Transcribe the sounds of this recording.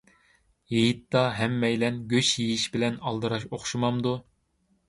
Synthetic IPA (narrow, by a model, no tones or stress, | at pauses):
jejit̪ːɑɦɛmːɛjlɛnɡʲøt͡ʃjejiʃbɪlɛnɑlˠd̪ɨɾɑʃoχʃumɑmd̪u